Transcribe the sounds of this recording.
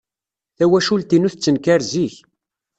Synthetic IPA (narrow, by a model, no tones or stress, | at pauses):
θæwæʃult̪inuθt͡sːənkæɾziç